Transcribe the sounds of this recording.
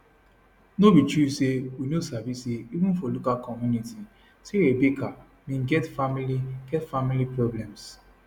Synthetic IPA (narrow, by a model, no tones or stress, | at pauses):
nobit͡ʃuseunusavisiibun̩folokalkɔmjuniti | siɾebeka | mĩŋ̩ɡɛtfamiliɡ̥ɛtfamilipɾɔblɛms